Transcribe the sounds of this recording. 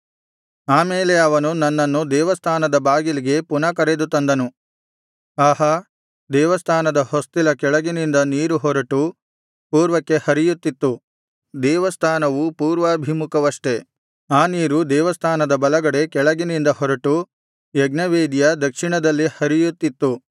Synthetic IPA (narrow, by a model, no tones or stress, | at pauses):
aːmeːleɐʋɐnunɐnːɐnːud̪ɛːʋɐst̪ʰaːnɐd̪ɐbaːɡiliɡe̞punɐkɐɾed̪ut̪ɐnd̪ɐnu | aːɦɐ | d̪ɛːʋɐst̪ʰaːnɐd̪ɐhost̪ilɐkɛɭɐɡinind̪ɐniːɾuɦɔɾɐʈu | puːɾʋɐkːe̞hɐɾijut̪ːit̪ːu | d̪ɛːʋɐst̪ʰaːnɐʋupuːɾʋɐːbʱimukʰɐʋɐʂʈe̞ | aːniːɾud̪ɛːʋɐst̪ʰaːnɐd̪ɐbɐlɐɡɐɽe̞kɛɭɐɡinind̪ɐɦɔɾɐʈu | jeɡnɐʋeːd̪jɐd̪ɐkʂiɳɐd̪ɐlːihɐɾijut̪ːit̪ːu